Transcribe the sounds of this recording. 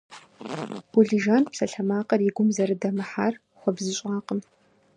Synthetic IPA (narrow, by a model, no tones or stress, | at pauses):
ʊɮiʒaːnpsɐɬɐmaːqʼɐriɡʷʊmzɐɾɨdɐmɨħa̰ːr | χʷɔbzɨɕʼaːqəm